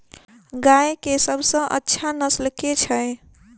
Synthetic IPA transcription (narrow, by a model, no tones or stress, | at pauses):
ɡaekesəbʱsə̃ʔə̰tːʃʰanəslket͡ʃʰəe